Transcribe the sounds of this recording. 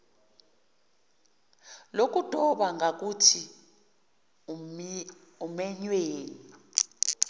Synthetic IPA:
lok̬ʼud̥ʱɔɓaŋɡak̬utʰi | umɛɲweːni

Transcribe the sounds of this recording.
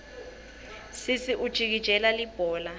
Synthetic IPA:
sisiʔud̥ʒ̥ʱik̬id̥ʒ̥ʱɛlalib̥ʱɔːla

